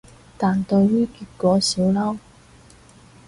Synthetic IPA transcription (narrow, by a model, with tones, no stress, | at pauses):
t̪aː˨nt̪ɵ˧ɥjyː˥kyː˨˧t̚kɔː˨˧˥siː˨˥wlɐ˥w